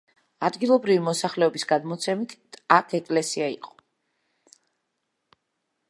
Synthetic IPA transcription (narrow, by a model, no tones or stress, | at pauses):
ad̪ɡilˠɔbɾivimɔsaχlɛɔbisɡad̪mɔt̪sʰɛmit̪ʰakʰɛkʼlɛsiaḭqʼɔ̥